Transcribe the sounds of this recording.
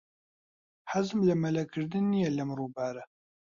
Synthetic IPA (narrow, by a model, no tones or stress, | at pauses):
ħazmlɛmɛlɛkʰɨɾd̪ɨnːijɛlɐmruːbaːɾɛ